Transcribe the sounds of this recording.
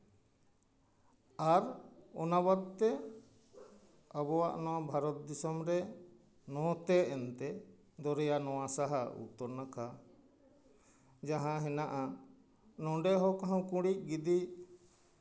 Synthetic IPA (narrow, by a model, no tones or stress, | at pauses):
aɾɔnabad̪̚t̪ɛ | abɔwaʔnɔwabʱaɾɔt̪̚d̪isɔmɾɛ | nɔt̪ɛːnt̪ɛ | d̪ɔɾɛjanɔwasaɦaṵt̪ːɔɾnaka | d͡ʒaɦãɦɛnaʔa | nɔɖɛɦɔkaɦãwkũɽic̚ɡid̪i